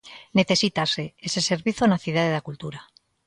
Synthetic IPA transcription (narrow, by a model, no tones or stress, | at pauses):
neθe̞sit̪ase̞eseseɾβiθonaθuðaðeðakult̪uɾa